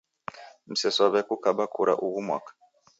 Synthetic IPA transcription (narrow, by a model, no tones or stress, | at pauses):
m̩sɛsɔβɛkukaɓakʰuɾa̰ʔuɣumwa̰kḁ